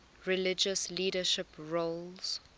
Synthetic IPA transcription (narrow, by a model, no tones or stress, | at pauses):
ɹɪlɪd͡ʒəsliːdəʃɪpɹolz̥